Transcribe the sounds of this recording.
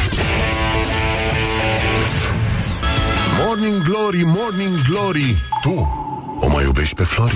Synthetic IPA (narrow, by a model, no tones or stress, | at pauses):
mɔɾniŋɡlɔɾimɔɾnʲiŋɡɡlɔɾit̪u | ɔ̰ma̰jubɛʃpɛflɔɾi